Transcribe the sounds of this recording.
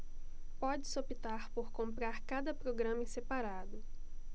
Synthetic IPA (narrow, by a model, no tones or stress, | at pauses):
pɔd͡ʒɪsopit̪aɾpoɾkõmpɾaɾkad̪ɐpɾoɡɾɐ̃mɐẽsepaɾad̪ʊ